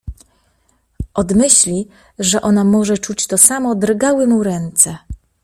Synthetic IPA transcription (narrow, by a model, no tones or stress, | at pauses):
ʔɔd̪mɘɕlʲi | ʐɛʔɔnamɔʐɛt͡ʂut͡ɕt̪ɔsamɔd̪ɾɡawɘmuɾɛnt̪sɛ